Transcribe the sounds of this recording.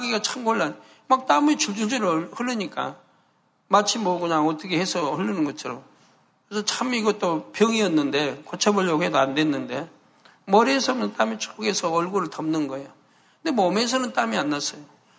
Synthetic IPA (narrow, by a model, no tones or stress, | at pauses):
ɡiɡat͡ɕʰamɡoɭːan | mak̚t͈amit͡ɕuɭd͡ʑud͡ʑiɾɯhɯɭːɯɲik͈a̰ | mat͡ɕʰimʌkuɲaŋʌt͈ʌkʰe̞hesʰʌhɯɭːinɯnɡʌt͡ɕʰʌɾo | kesʰʌt͡ɕʰamiɡʌt͈opjʌŋiʌnːɯnde̞kot͡ɕʰabʌʎːoɦe̞doande̞nːɯnde̞ | mʌɾiesʰʌmjʌntamit͡ɕʰu̥k͈uɡe̞sʰʌʌɭɡoɾɯɭtʌmnɯnɡʌejo | kɯnde̞mʌmes̬ʰʌnɯnt͈amianːas͈ʌjo